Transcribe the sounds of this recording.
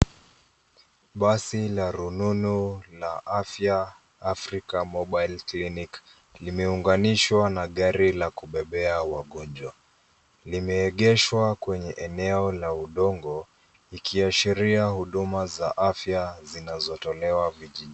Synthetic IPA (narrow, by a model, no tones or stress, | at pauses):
ɓasilaɾununulaʔafja | afɾikamɔɓajlklinik | limɛuŋɡaniʃwanaɠaɾilakuɓɛɓɛawaɠɔd͡ʒwa | limɛːɠɛʃwakwɛɲɛʔɛnɛɔlauɗɔŋɡɔ | ikʰiaʃiɾiahuɗumazaʔafjazinazɔtɔlɛwaviʄi